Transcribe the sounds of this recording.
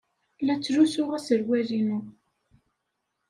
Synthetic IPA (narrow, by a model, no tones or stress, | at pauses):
læt͡sːɾusʊʁæsəɾwæðinu